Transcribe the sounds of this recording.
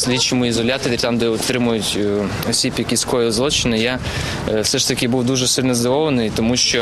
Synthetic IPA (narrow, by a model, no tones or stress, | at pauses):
sʲlʲit͡ʃɪmʊizɔlʲat̪ɔɾʲit̪ɑmd̪ɛɔt̪ɾɪmʊjʊtʲ | ɔsʲipʲjɐpʲiskɔjɪzlˠɔt͡ʃɪnɪja | wsɛʃt̪ɐkʲɪbuwd̪uʒɛsɪlʲnɔzd̪ɐʋɔʋɐnɪjt̪ɔmuʃt͡ʃɔ